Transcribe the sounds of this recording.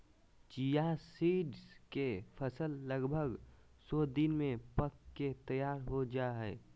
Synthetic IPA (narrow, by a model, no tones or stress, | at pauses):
t͡ʃijasiːɖskepʰəsəlːəɡbʱəɡ | soːd̪ɪnmẽpəkːet̪əjaːɾɦod͡ʒaːɦɛː